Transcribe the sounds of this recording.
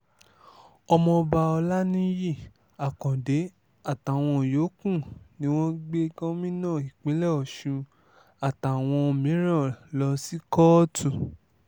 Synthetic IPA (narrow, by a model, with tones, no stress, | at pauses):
ɔ˧mɔ̃˧ba˧ɔ˧la˦nĩ˦ji˦˨ | a˨kɔ̃˨de˨˦ | a˦˨ta˨w̃ɔ̃˧˨jo˨˦kũ˦˨nĩ˦w̃ɔ̃˦ɡ͡be˦ɡɔ̃˦mĩ˦nã˦˨i˨k͡pe˨˦lɛ˦˨ɔ˨ʃũ˧ | a˨ta˨w̃ɔ̃˧mĩ˨˦ɾã˦˨lɔ˧si˦kɔ˦tʰũ˦˨